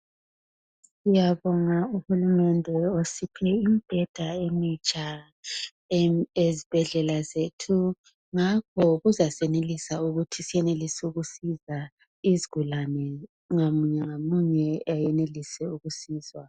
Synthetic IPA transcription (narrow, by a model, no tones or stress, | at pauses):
ujaβɔŋauhulumɛndʱɛosipʰɛimb̥ʱɛd̥ʱaemit͡ʃʼa | ezib̥ʱɛɮɛlazetʰu | ŋakʰɔɣuzasɛnelisauɣutʰisijɛnelisuɣusiza | iziɣ̥ulanɛ | ŋamɲɛŋamuɲɛajɛnelisɛuɣusiːzwa